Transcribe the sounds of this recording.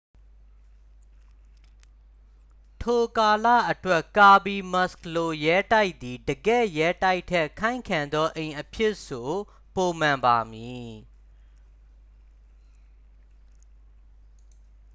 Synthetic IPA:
tʰo˨ka˨lä̰˦˨ʔətwɛ˦ʔka˨bi˨mɔ˦˨sklo˨jɛ˦ta˦ɪʔt̪i˨dəɡɛ̰˦˨jɛ˦ta˦ɪʔtʰːɛ˦˨kʰã˦ɪ̃ŋkʰã˨nd̪ɔ˦ʔẽ˨ɪ̃ʔəpʰjɪ˦ʔso˨ | po˨mã˨mba˨mji˨

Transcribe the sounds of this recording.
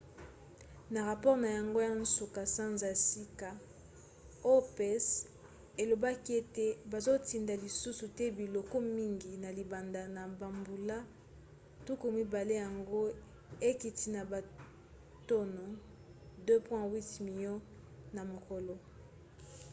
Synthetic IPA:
na˨ʁa˨pɔ˦ʁna˨ja˨ŋɡo˦ja˦n˦so˨ka˨sã˦nza˨si˦ka˨ | o˦pɛ˦˨s | e˨lo˨ba˦ki˦e˦te˨ba˨zo˦ti˨nda˨li˨su˦su˨tɛ˦bi˨lo˨ko˦mi˦ŋɡi˨na˨li˨ba˨nda˨na˨ba˨mbu˨la˦ | tu˦ku˨mi˦ba˨le˦ja˨ŋɡo˦ | e˦ki˨ti˨na˨ba˨ | to˦no˨ | dø˦pwɛ̃˦wi˦tmi˨jɔ̃˦ | na˨mo˨ko˨lo˨

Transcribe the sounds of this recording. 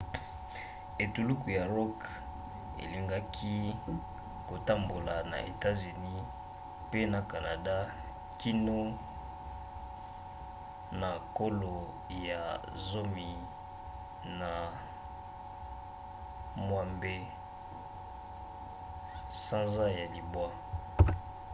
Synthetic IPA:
e˨tu˨lu˦ku˨ja˨ʁɔ˦k | ḛ˨li˨ŋɡa˦kʰi˦ | ko˨ta˦mbo˨la˨na̰˨ʔḛ˨ta˦zy˨ni˦ | pe˦na˨ka˨na˨da˦ | ki˦no˦ | na˨ko˦lo˨ | ja˨ | zo˦mi˨ | na˨ | mwa˦mbe˦ | sã˦nza˦ja˨li˨bwa˦

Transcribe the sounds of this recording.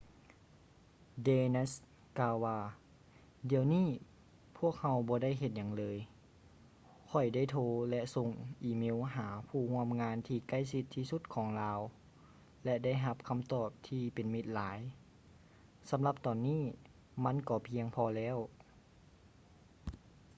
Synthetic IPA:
deː˧na˧˥s | kaː˧wːaː˧ | di˨əwniː˥˩˨ | pʰu˥˩ək̚ha˧wbɔː˧˦da˥˨jɦe˧t̪̚ɲa˨˩ŋlɤː˧j | kʰɔ˧˩jda˥˩jt̪ʰoː˧lɛ˧so˧˥ŋʔiː˧me˧˥˨wɦaː˩˦pʰuː˧˩hu˧˥˨əmŋaː˧˥nt̪ʰiː˧ka˥˩jsi˧˥t̪ʰːiː˧su˧˥t̪̚kʰɔː˨˩˦ŋlaː˧w | lɛ˧da˥˩jɦa˧p̚kʰa˧˥mt̪ɔː˧˩p̚t̪ʰiː˧pe˨nmi˧t̪̚laː˩˨˦j | sa˨˦mla˧p̚t̪ɔː˨˩nːiː˥˩˨ | ma˧˥˨nkɔː˧˩pʰi˧əŋpʰɔː˧lɛː˧˥˨w

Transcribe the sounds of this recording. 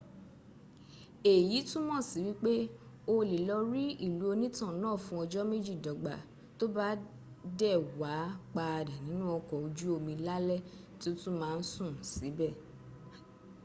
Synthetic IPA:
e˨ji˨˦tũ˦mɔ̃˦˨si˨˦wi˦k͡pe˦o˧li˨lɔ˧ɾi˦i˦˨lu˨˦o˧nĩ˦tã˦˨nãː˦˨fũ˦ɔ˧d͡ʒɔ˦me˦d͡ʒi˦˨dɔ˨ɡ͡ba̰˨ | to˦ba˦ | dɛ˦˨wa˨˦k͡pa˧˨da˨nĩ˨˦nũ˦ɔ˧kɔ˨o˧d͡ʒu˦o˧mĩ˧la˦lɛ˦˨ | ti˦tũ˦mãː˦˧n̩˦sũ˦˨si˨˦bɛ˦˨

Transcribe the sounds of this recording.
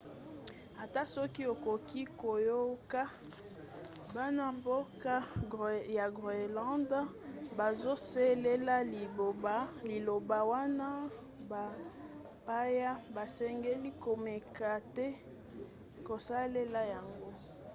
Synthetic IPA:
a˨ta˦sɔ˦ki˦o˨ko˨ki˦ko˨jo˦ka˦ | ba˦na˦mbo˦ka˦ja˨ɡʁe˨lã˦nd | ba˨zo˦sɛ˦le˦la˦li˨bo˨ba˦li˨lo˨ba˨wa˦na˦ | ba˨ | pa˦ja˦ba˨sɛ˦ŋɡe˦li˦ko˨me˨ka˨tɛ˦ | ko˨sa˦le˦la˦ja˨ŋɡo˦

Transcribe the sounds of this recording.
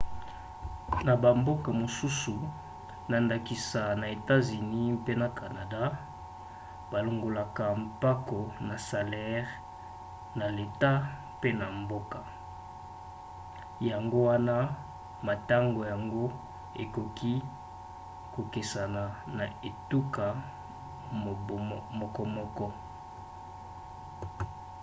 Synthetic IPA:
na˨ba˨mbo˦ka˨mo˨su˦su˨ | na˨nda˨ki˨sa˨na˨e˨ta˦zy˨ni˦pe˦na˨ka˨na˨da˦ | ba˨lo˨ŋɡo˨la˨ka˨mpa˦ko˨na˨sa˨lɛ˦ʁ | na˨le˨ta˦ | pe˦na˨mbo˦ka˨ | ja˨ŋɡo˦wa˦na˦ | ma˨ta˦ŋɡo˨ja˨ŋɡo˦ | e˨ko˨kʰi˦ | ko˨ke˨sa˨na˨na˨e˨tu˦ka˨ | mɔ˦kɔ˦mɔ˦kɔ˦

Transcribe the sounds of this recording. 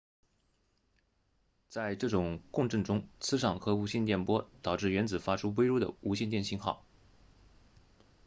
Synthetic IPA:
t͡sa˥˧ɪʈ͡ʂɤ˥˩ʈ͡ʂʊ˨˩ŋkʊ˥˧ŋʈ͡ʂɤ˥˩ŋʈ͡ʂʊ˥ŋt͡sʰɹ̩˥ʂɑ˨˩ŋxɤ˧˥u˧˥ɕjɛ˥˧nt̪jɛ˥˩npwɔ˥t̪ɑ˨˩ʊʈ͡ʂɻ̩˥˩ɥɛ˧˥nt͡sɹ̩˨˩fa˥ʈ͡ʂʰu˥we˥ɪɻɔ˥˩d̪ə̰˨u˧˥ɕjɛ˥˧nt̪jɛ˥˧nɕi˥˧nxɑ̰˥˩ʊ

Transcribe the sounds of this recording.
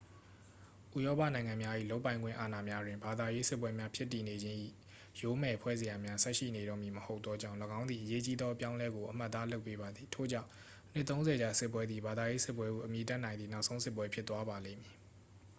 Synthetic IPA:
ʔu˦˨jɔ˦pa̰˦˨nã˨ɪ̃ŋã˨mja˦ʔḭ˦˨lo˦ʊpːã˨ɪ̃ŋɡwɪ̰̃˦˨ʔa˨na˨mja˦dwɪ̃˨mba˨d̪a˨je˦sɪ˦pwɛ˦mja˦pʰjɪ˦tːi˨ne˨d͡ʑɪ̃˦ʔḭ˦˨ | jo˨˦mɛ˨pʰwɛ˦ze˨ja˨mja˦sɛ˦ʔʃḭ˦˨ne˨ɾɔ˦˨mji˨məho˦ʊt̪ːɔ˦d͡ʑã˦˨ləɡã˦ʊ̃nd̪ði˨ʔəje˦t͡ɕi˦d̪ðɔ˦ʔəpjã˦ʊ̃lɛ˦ɡo˨ʔəm̥a˦ʔt̪ːa˦lo˦ʊpːe˦ba˨d̪ði˨tʰo̰˦˨d͡ʑã̰˦˨ʊ̃ | n̥ɪ˦t̪ːõ˦ʊ̃nzɛ˨d͡ʑa˨sɪ˦pwɛ˦d̪ði˨ba˨d̪a˨je˦sɪ˦pwɛ˦ɡṵ˦˨ʔəmji˨t̬a˦nã˨ɪ̃d̪i˨na˦ʊʔsʰõ˦ʊ̃sɪ˦p̬wɛ˦pʰjɪ˦t̪ːwa˦ba˨lḛ̃˦˨ɪ̃mji˨

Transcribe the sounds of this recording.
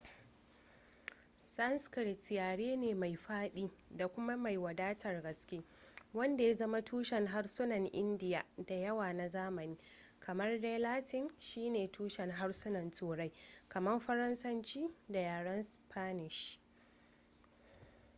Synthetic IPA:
sɐ˦nskɪ˨ɽtjaː˨ɽeː˦neː˨ma˨jɸaː˦ɗiː˦da˨kʷʊ˦ma˦ma˨jwɐ˨daː˦tɐ˨rɡɐ˨skʲeː˦ | wɐ˦nda˨ja˦zɐ˦ma˦tʰuː˦ʃɛ˨ŋɦa˦ɽsʊ˦nɐ˨ŋʔɪ˦ndɪ˨jaː˨da˨jɐ˦waː˨na˨zaː˦mɐ˨niː˦ | kʰɐ˨mɐ˦rde˦laː˦tɪ˦nʃiː˦neː˨tʰuː˦ʃɛ˨ŋɦa˦rsʊ˦nɐ˨ntuː˨ɽa˦jkɐ˨mɐ˦mɸɐ˦ɾɐ˦nsɐ˦nt͡ʃiː˦da˨jaː˨ɽɐ˦nspʰaː˦nɪ˨ʃ

